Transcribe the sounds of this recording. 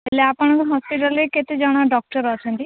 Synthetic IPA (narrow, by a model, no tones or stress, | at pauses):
eleapɔɽ̃ɔ̃ŋkuɦɔspiʈaleket̪ed͡ʒɔɽ̃aɖɔk̚ʈɔɾɔt͡ʃʰɔnt̪i